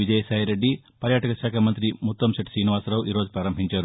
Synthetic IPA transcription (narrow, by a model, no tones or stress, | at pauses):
ʋid͡ʒɐjɐsɐːjɐɾeɖːi | pɐɾjaːʈɐkɐʃaːkʰɐmɐnt̪ɾimut̪ːɐmsɐʈi̥siːniʋaːsɾɐʋuʔiːɾoːd͡ʒupɾaːɾɐmpiɲt͡ʃaːɾu